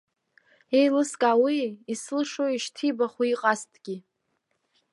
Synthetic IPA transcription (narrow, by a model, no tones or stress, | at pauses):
ejlɨskʼawiːslɨʂoiʃtʰibaχiiqʼastʰʼɡʲi